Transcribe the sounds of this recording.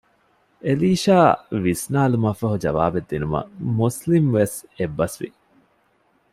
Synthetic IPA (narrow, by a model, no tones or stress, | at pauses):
eliːʃaːʋisnaːlumɐfɐɦud͡ʒɐʋa̰ːbed̪ːinumɐ̰muslimʋesebːɐsʋḭ